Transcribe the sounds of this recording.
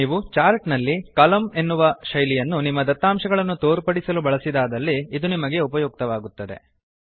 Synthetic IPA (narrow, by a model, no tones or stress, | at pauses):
iːʋut͡ʃaːɾʈnɐlːikɐlɐme̞nːuʋɐʃɐjlijɐnːunimːɐd̪ɐt̪ːaːmʂɐɡɐɭɐnːut̪oːɾpɐɽisɐlubɐɭɐsid̪aːd̪ɐlːiːd̪unimɐɡe̞upɐjɔːk̚t̪ɐʋaːɡut̪ːɐd̪e̞̰